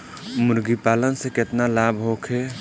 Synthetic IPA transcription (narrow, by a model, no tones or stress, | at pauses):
mʊɾɡipaːlənseket̪nalabʱɦokʰe